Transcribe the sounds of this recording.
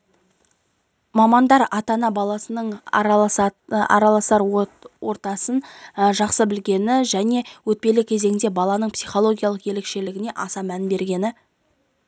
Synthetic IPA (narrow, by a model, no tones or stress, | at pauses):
mɑmɑnd̪ɑɾɑt̪ɑnɑbɑlˠɑsənəɴ | ɑ̰ɾɑlˠɑsɑɾwo̞ɾt̪ɑsənʒɑqsəbɪlɡʲe̞nɪʒæne̞wɵt̪̚pe̞lɪkʲʰe̞ze̞ŋɪnd̪e̞bɑlˠɑnəɴpsijχo̞lˠo̞ɡʲijɑlˠəqje̞le̞kʃe̞lɪɡʲɪne̞ʔɑsɑmænbe̞ɾɡʲe̞nɪ